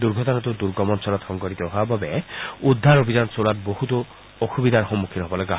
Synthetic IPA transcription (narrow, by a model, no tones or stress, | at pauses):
d̪uɾɡʱɔt̪ɔnɔt̪ud̪uɾɡɔmɔnsɔlɔt̪xɔŋkɔɾit̪ɔɦabɔbeud̪ʱːaɾobʱid͡ʒansolat̪boɦut̪ɔ | oxubid̪ʱaɾxɔmːukʰːit̪ɔɦɔbɔloɡa